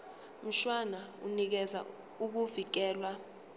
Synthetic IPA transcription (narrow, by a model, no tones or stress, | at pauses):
m̩ʃwanaunik̬ɛza̰ | uk̬uvik̬ɛːlwa